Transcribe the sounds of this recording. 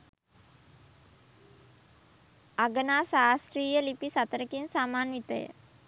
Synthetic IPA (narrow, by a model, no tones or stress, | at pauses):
aɡənaːsaːsɾiːjəlipisat̪əɾəkinsaːmaːnʋit̪əjə̰